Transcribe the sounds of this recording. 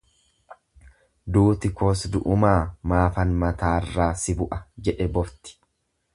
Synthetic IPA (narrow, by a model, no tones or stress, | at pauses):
d̪uːt̪ɪkoːsd̪ʊʔʊmaːmaːfɐnmɐt̪aːrːaːsɪbʊʔɐd͡ʒɛᶑɛbɔft̪ɪ̥